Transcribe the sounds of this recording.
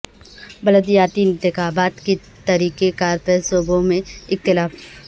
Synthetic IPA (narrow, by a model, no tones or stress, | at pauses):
bɐləd̪jaːt̪iɪ̃nt̪ɪxaːbaːt̪ke | t̪ɐɾiːkekaːɾpɛsoːbõmẽɪk̚t̪ɪlaːf